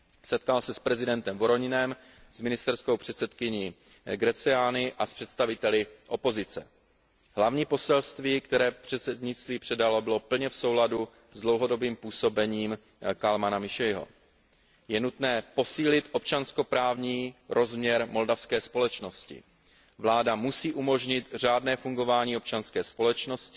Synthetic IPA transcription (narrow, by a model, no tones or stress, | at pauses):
sɛt̪̚kalsɛspɾɛzɪdɛnt̪ɛmvoɾo̞ɲɪnɛm | z̥mɪnɪst̪ɛɾskowpr̝̥ɛt̪sɛt̪kɪɲi | ɡɾɛt͡sɛaːnɪʔaspr̥ɛt̪st̪avɪt̪ɛlɪʔo̞po̞zɪt͡sɛ̰ | ɦlavɲiːpo̞sɛlst̪viːkt̪ɛɾɛːpr̝̥ɛt̪sɛdɲɪtt͡st̪viːpr̥ɛdalo̞bɪlopl̩ɲɛfso̞wladu | zdlo̞wɦo̞do̞biːmpuːso̞bɛɲiːm | kalmanamɪʃɛjɦo̰ | jɛnut̪nɛːpo̞siːlɪt̪ʔo̞p̚t͡ʃansko̞pɾaːvɲiːɾʔo̞zmɲɛɾmo̞ldafskɛːspo̞lɛt͡ʃno̞scɪ̰ | vlaːdamusiːʔumo̞ʒɲɪt̪r̝aːdnɛːfuŋɡo̞vaːɲiːop̚t͡ʃanskɛːspo̞lɛt͡ʃno̞scɪ